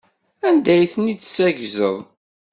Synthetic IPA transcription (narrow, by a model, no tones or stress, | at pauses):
ænd̪æjθnid̪sæʝzə̰ðˤ